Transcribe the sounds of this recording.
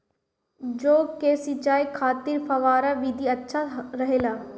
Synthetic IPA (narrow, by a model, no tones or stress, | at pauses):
d͡ʒoːkesit͡ʃaːikʰaːt̪ɪɾfɐʋaːɾaʋid̪ʱiɐtːʃʰaɾɐɦeːlaː